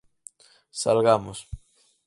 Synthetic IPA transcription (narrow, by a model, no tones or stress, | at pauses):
salɣamos